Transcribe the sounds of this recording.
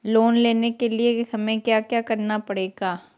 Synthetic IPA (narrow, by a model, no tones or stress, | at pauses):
loːnleːnekeliehɐmẽkjaːkjaːkɐɾnapɐɽeːɡaː